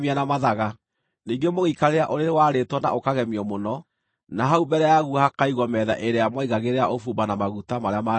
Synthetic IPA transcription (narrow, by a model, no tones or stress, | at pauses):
mianamaðaɣa | niːɡemoɣikaɾeɾaʔoɾeɾewaɾetwɔna̰ʔokaɣɛmiɔmonɔ | naɦaubɛɾɛjaɣuhakaiɣwɔmɛða̰ʔeɾejamɔiɣaɣeɾeaʔofuːmbanamaɣutamaɾeama